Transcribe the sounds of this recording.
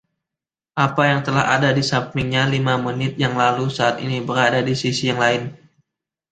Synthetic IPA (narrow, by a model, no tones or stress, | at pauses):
ʔapajaŋt̪əla̰ha̰dadisapɪŋɲalimamənɪt̪̚jaŋlalusaːt̪ḭnibəɾadadisisijaŋlaɪn